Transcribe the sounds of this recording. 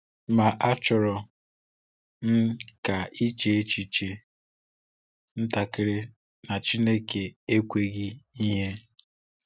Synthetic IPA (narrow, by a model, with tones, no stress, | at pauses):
ma˨ʔa˦t͡ʃʊ˨ɾɔ˨ | n̩˦ka˨i˦t͡ʃe˨e˦t͡ʃi˨t͡ʃe˨ | n̩˦ta˨kɪ˨ɾɪ˦ | na˨t͡ʃi˦ne˦ke˨e˦kʷe˦ɡɪ˦i˦ɦe˦